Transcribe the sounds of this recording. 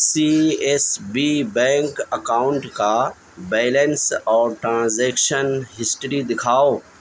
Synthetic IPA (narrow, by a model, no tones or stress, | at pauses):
sieːsbibɛ̃ːŋkɐkaːʊ̃ɳʈka | bɛːlə̃nsɔːɾʈɾãːnzɛːkʃənɦɪsʈɾid̪ɪkʰaːo